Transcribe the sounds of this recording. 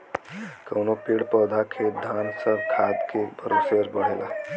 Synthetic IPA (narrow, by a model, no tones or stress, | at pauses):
kɐwnopiːɽpɔːd̪ʱakʰeːd̪ʱaːnsəɾkʰaːd̪kebʱəɾoseɾbɐɽ̤ɦeːɡaː